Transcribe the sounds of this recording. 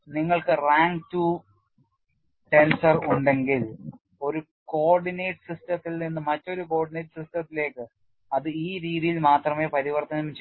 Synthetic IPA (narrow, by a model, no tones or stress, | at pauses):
niŋːɐɭkɨraːŋɡtu | ʈe̞nsɐruɳɖe̞ŋɡil | o̞ɾu | ko̞ːrɖineːʈsistɐt̪ːilninːɨmɐtːo̞ɾuko̞ːɖineːʈsistɐt̪ːile̞ːkːɨ | ɐðɨiːɾiːðijilmaːt̪rɐme̞ːpɐɾiʋɐrt̪ʰːɐnɐmmt͡ɕ